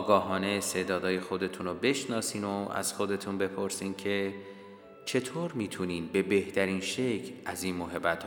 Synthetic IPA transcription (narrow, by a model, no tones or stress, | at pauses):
ɡɒːɦɒːneest̪e̞ːd̪ɒːd̪ɒːje̞xo̞d̪e̞t̪ʰuːnobe̞ʃnɒːsiːnoæ̰z̥xo̞d̪e̞t̪ʰunbe̞pʰoɾsiːncʰe̞ | t͡ʃʰe̞t̪ʰoːɾmiːt̪ʰuniːnbe̞be̞ht̪ʰæɾiːnʃecʰlæziːnmoɦe̞bːæt̪ʰ